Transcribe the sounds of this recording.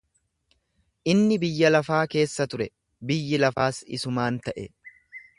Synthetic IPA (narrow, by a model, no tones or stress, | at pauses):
ʔɪnːɪbɪjːɐlɐfaːke̞ːsːɐt̪ʊɾɛ | bɪjːɪlɐfaːsɪ̰sʊmaːnt̪ɐʔɛ̰